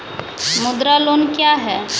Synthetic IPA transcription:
mʊd̪ɾalonkjaɦɛː

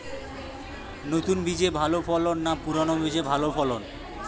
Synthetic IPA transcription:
not̪unbid͡ʑebʱalofʰɔlonːapuɾonobid͡ʑebʱalopʰɔlon

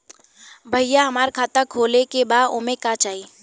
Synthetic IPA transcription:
bʱəjjaɦɐmaːɾkʰaːt̪əkʰoːlekebaːd̪omẽkat͡ʃaːi

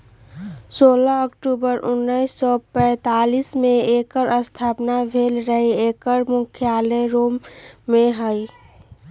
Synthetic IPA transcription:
soːlaəkʈubəɾʊnːəisːɔpɛ̃ːt̪alismẽekəɾəst̪ʰaːpnabʱeːlɾəɦiekəɾmʊkʰjaːləɾoːmːẽɦəi

